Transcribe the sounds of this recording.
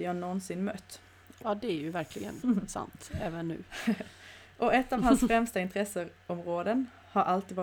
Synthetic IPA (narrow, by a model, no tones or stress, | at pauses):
ihɑːnɔnsɪnmœt̪ː | jɑːd̪ɛæɾjʉʋæɾklɪɡə̰nsɑ̰nt̪ɛːʋənːʉ̰ː | ʔɔɛt̪ːɑːʋhɑnsfɾɛmst̪əɪnt̪ɾɛsəɾ | ɔmʁoːd̪ən | hɑɾʔɑlt̪iːʋɑː